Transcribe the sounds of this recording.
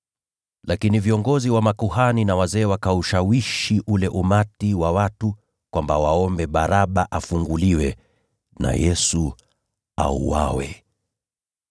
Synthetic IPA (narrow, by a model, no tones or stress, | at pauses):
lakiniviɔŋɡɔziwamakuhaninawazɛːwakauʃawiʃiʔulɛʔumatiwawatu | kwambawaɔmbɛɓaɾaɓaʔafuŋɡuliwɛ | na̰jɛsu | a̰ṵwa̰wɛ̰